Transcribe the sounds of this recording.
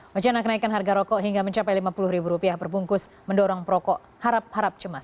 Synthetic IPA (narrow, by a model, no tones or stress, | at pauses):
wat͡ʃanakənaikanɦarɡaɾɔkɔʔɦiŋɡaməɲt͡ʃapajlimapulʊhɾibuɾupiabərbuŋkʊs | məndɔɾɔŋpɾɔkɔʔ | haɾap̚haɾap̚t͡ʃəmas